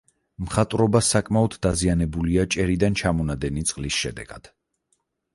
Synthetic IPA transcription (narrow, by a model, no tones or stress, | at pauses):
mχat̪ʼɾɔbasakʼmaɔd̪ːazianɛbuliat͡ʃʼɛɾid̪ant͡ʃʰamɔnad̪ɛnit̪sʼqʼlisʃɛ̰d̪ɛ̰ɡ̥ad̪̥